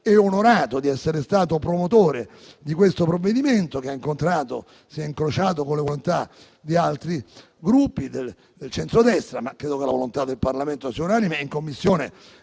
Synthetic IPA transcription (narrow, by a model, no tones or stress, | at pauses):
ɛonoɾaːt̪od̪iɛsːeɾest̪aːt̪opɾomot̪oːɾe | d̪ikwest̪opɾovːed̪iment̪okeaiŋkont̪ɾaːt̪o̰ | siɛiŋkɾot͡ʃaːt̪̬okonlevolont̪a | d̪ialt̪ɾi | ɡɾupːid̪el | d̪elt͡ʃɛnt̪ɾod̪ɛst̪ɾamakːɾeːd̪okelavolont̪ad̪ːelparlament̪osiːaunaːnimeiŋkomːisːjoːne